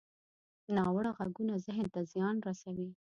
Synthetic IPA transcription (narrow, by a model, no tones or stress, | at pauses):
nɑwɽaɣaɡunazɪɦnt̪azjɑnɾasawi